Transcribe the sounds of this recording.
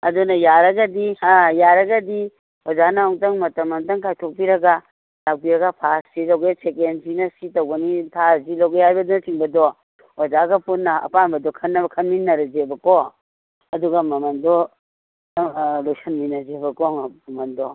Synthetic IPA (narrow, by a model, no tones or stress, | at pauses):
ɐdunɐjaɾɐɡɐdiajaɾɐɡɐdi | ozanaaŋtɐŋmɐtɐmamtɐŋkʰajtʰok̚piɾɐɡa | lak̚piɾɐɡapʰasz̥ilawɡejsekensinɐsitɐwɡɐnitʰazilowɡehajbɐdunɐtiŋbɐdɔ | ɔzaɡɐpunːɐɐ̰panbɐdɔkʰɐnːɐbɐkʰɐnminːɐɾɐd͡ʒebɐkɔ | ɐduɡɐmɐmɐndɔ | lojsɐnminːɐzebɐkɔŋmɐmɐndɔ